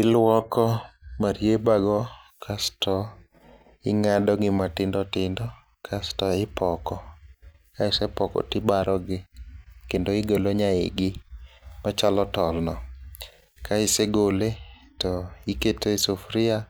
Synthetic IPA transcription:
ɪlwɔkɔmaɾjebaɡɔ | kʰastɔ | ɪŋadɔɡɪmatɪndɔtɪndɔ | kʰastɔɪpɔkɔ | kaɪsɛpɔkɔ̰tɪbaɾɔɡɪkendoɪɡoloɲaɪ̰ɡɪmat͡ʃalɔtɔlnɔ | kaɪseɡoletɔiketoɪsufɾɪa

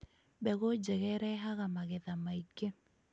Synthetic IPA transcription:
ɓɛɣod͡ʒɛɣɛɾɛɦaɣamaɣɛðamaiɡe

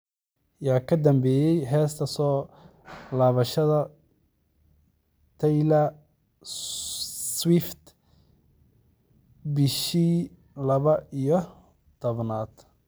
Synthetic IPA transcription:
jaːkʰɐd̪ɐmbɛːjɛjɦɛːst̪ʰɐsɔː | laːβɐʃɐðɐ | t̪ʰɛjlɐ | swɪft̪ | bɪʃiː | lɐβɐijɔ | t̪ʰɔβnaːd̪̥

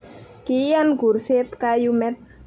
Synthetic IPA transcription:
kijanɡṳrset̪kajumɛt̪̚

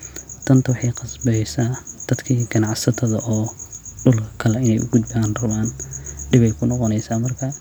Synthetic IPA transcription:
t̪ʰɐnt̪ʰɐwɑħɑjqɑsbɛjsaːd̪̥ɐd̪kʰiːɡɐnɑʕsɐt̪ʰɐðɐʔɔːɖʊlkʰɐkʰɐlɛɪnɛjʔʊ̰ɡʊd̪̚bɪaːnrɐβaːnɖɪβɛjkʰʊnɑqɔnɛjsaːmɐrkʰɐ

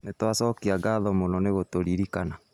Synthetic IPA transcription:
netwasɔːkiaɡaːðɔmonɔneɣotoɾiɾikana

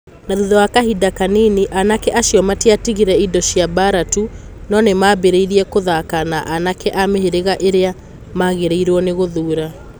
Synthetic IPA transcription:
naðuðɔwakaɦidakaniniʔanakɛʔaʃjɔmatiatiɣiɾɛidɔɕiabaɾatu | nɔnemabeɾeiɾiɛkoðakanaʔanakɛʔameɦeɾeɣaʔeɾea | maɣeɾeiɾwɔneɣoðuːɾa

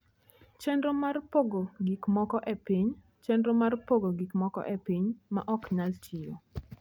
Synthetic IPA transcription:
t͡ʃɛndɾomarpoɡoɡikmɔkɔʔɛpiɲ | t͡ʃɛndɾomarpoɡoɡikmɔkɔ̰ʔɛpiɲmaʔɔknazt͡ʃijo

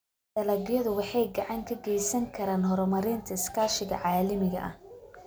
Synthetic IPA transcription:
d̪̥ɐlɐɡjɐðʊwɑħɑjɡɑʕɑŋkʰɐɡɛjsɐŋkʰɐɾaːnhɔɾɔmɐɾɪnt̪ʰɐɪskʰaːʃɪɣɐ̰ʕɑːlɐmɪɣɐ̰ʔɐ̰h

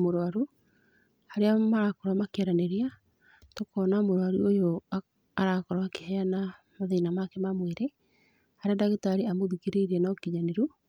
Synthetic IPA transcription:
moɾoaɾu | haɾeamaɾakɔɾwamakeaɾaneɾia | tokɔnamoɾoaɾuojoa | aɾakɔɾwakehɛana | maðeinamakɛmamweɾe | haɾeadaɣetaɾeamoðukiɾeiɾɛnaokiɲaneɾu

